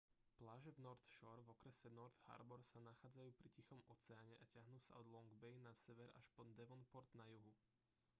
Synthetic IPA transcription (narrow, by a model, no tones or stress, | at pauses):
plaːʒɛvnɔɾt̪ʃɔɾvɔkɾɛsɛnɔɾt̪ha̰ɾbɔɾsanaxaːd͡zajuːpɾicixɔmɔt͡sɛaːɲɛʔacɪaɦnuːsa̰ɔd̪lɔŋɡbɛjnasɛʋɛɾa̰ʃpɔnd̪ɛʋɔnpɔɾd̪najuɦu